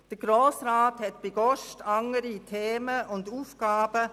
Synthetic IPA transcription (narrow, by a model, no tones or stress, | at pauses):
d̥əɡ̥ɾoːsraːthɛtb̥eɡ̥ɔʃtɑŋəɾitʰeːməʔʊnduːfkaːb̥ə